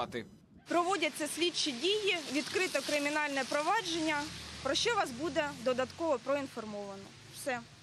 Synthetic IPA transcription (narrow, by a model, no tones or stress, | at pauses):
t̪ɪ | pɾɔʋɔdʲɐt͡sʲːɐsʲlʲit͡ʃidʲijiʋʲid̪kɾɪt̪ɔkɾɪmʲinɑlʲnɛpɾɔʋɑd͡ʒenʲːɐpɾɔʃt͡ʃɔʋɑsbud̪ɛd̪ɔd̪ɐt̪kɔʋɔpɾɔinfɔrmɔʋɐnɔ | wsɛ